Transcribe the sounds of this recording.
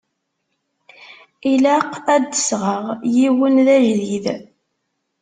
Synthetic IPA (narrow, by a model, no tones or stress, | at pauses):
ilæqæd̪ːəsʁəʁjiwənðæjlið